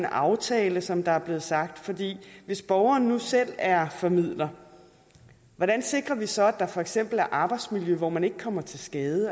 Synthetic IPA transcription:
nɑ̈ʊt͡sʰɛːləsɒ̽md̥ɑ̈æɐb̥le̝ːð̩ˠsɑ̈ɡ̥̚d̥fɒ̽d̥ḭːʋe̝sb̥ɒʊɐːn̩ːusel̰æɐfɒ̽mið̰ˠlɐ | ʋɒɾ̥ænse̝ɡ̥ʁɐʋisɒ̽æd̥ɑ̈fɒ̽eɡ̥sem̰b̥l̩æɐʔɑ̈ːb̥ɑ̈ɪd̥smiljøʋɒmæne̝ɡ̥əkʰɒ̽m̰ɐt͡sʰe̝lsɡ̥ɛːð̞ˠə

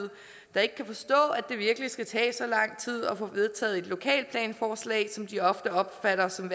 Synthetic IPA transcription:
ð̩ˠ | d̥ɑ̈e̝ɡ̥əkʰæfɒ̽sd̥ɔ̰̽ːæd̥e̝ʋiɐɡ̥əlisɡ̥æt͡sʰɛ̰ːsɒ̽lɑ̈ŋ̰t͡sʰið̞̰ˠɒ̽fɔ̽ʋe̝ð̞ˠt͡sʰɛ̰ːð̩ˠe̝d̥lo̝kʰɛ̰ːl̚pʰlɛ̰ːnfɒːslɛ̰ːɪsɒ̽md̥iɒ̽fd̥əɒ̽b̥fæɾɐsɒ̽m

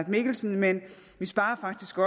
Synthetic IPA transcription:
d̥me̝ɡ̥l̩sn̩menʋisb̥ɑ̈ːɐfɑ̈ɡ̥̚d̥isɡ̥ɒ̽

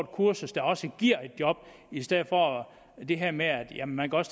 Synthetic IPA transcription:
d̥̚kʰuɐsəsd̥ɑ̈ɒ̽səɡ̥iɐ̰e̝d̥jɒ̽b̥ | isd̥eð̰̩ˠfɒ̽ | d̥e̝ɦeɐ̰meæd̥jæmnmænkʰæɒ̽s

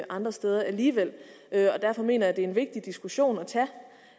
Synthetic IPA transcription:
ʔɑ̈nd̥ʁɐsd̥eːð̞ˠɐʔæliːʋel̰ | øɒ̽d̥æɐfɒ̽me̝̰ːnɐjæd̥e̝æe̝nʋe̝ɡ̥̚d̥id̥isɡ̥uɕo̝̰ːnɒt͡sʰæ

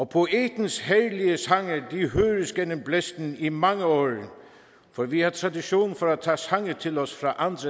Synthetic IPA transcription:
ɒpʰo̝ʔeːd̪̥n̩shæɹliəsɑŋəd̥iɦøːɾəsɡ̥enəmblesd̪̥n̩imɑŋəɔːɾ | fɒʋihɑt̪ʰʁɑd̪iɕo̝ːnn̩fɒɾæt͡sʰɑːsɑ̈ŋət͡sʰɪ̝lɔsfɾɑʔɑnd̪̥ɾə

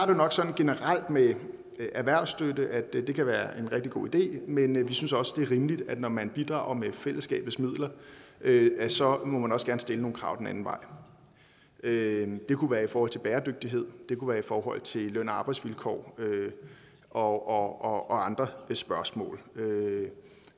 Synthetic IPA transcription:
ɑɐde̝nɒ̽ɡ̥sɒ̽nn̩ɡ̥e̝nəʁɑl̰d̥me | ʔæɐʋæɐʊ̰sd̥ødəʔæd̥d̥e̝kʰæʋæːɐʔe̝nʁɛɡ̥̚d̥iɡ̥o̝̰ːid̥e̝̰ːmenʋisynsɒ̽səd̥e̝ɐʁiːməlid̥æd̥nɒmænb̥id̥ʁɑ̰̈ʊ̰ɐmefel̰əsɡ̥ɛ̰ːb̥ð̩ˠsmið̞̰ˠlɐʔøsɒ̽mɔmænɒ̽sɡ̥æːɐnsd̥e̝ləno̝ːnkʰʁɑ̈ʊd̥enæn̩ʋɑ̈ɪ̰ | ød̥e̝kʰuʋæːɐifɒɔːhɒ̰t͡sʰe̝b̥æːɐd̥øɡ̥̚d̥iɦe̝ð̞̰ˠd̥e̝kʰuʋæːɐifɒːɦɒ̽l̰t͡sʰe̝løn̰ɐɑ̈ːb̥ɑ̈ɪdsʋilkʰɒ̰ːø | ʔɒ̽ɒɒɒ̽ɑ̈nd̥ʁɐsb̥ɶɐsmɔ̰ːlø

